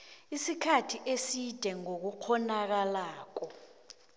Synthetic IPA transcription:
isikʰatʰiʔesid̥ʱɛŋok̬uk͡xʰɔnak̬alaːk̬ɔ

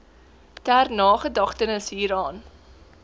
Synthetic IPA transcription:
tærnɑːχədɐχtənəsɦiːɾɑːn

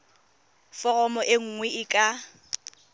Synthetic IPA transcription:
fɔrɔmɔʔeŋ̩ŋwɛɪkʼa

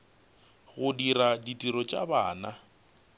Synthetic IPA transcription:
ɣʊdiraditʼiɾɔt͡ʃʼaba̰ːna

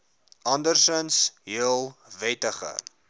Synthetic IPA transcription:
ʔɐndərsənsɦiəlˠvɛtəχə̰

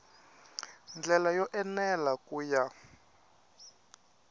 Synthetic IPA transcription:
nd͡ɮɛlajɔʔɛnɛlakʼuːja

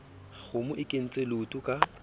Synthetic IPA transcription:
ɣʊmʊʔɪkʼen̩t͡sʼelʊtʼʊkʼa

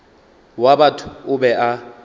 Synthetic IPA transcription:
wabatʰʊ̥ʊbɛʔa

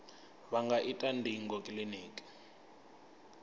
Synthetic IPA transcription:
βaŋɡaʔitʼandʱiŋɡɔkʼliniːkʼi̥

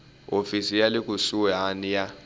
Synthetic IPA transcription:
ofisijalɪkʼusuanija

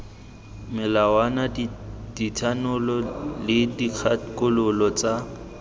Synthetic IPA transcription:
mɪlawanad̥itʰanʊlɔlɪdiq͡χʰakʼʊlʊlɔt͡sʼa

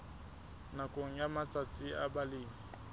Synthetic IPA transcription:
nakʼoŋ̩jamat͡sʼat͡sʼɪabalɪːŋ̩

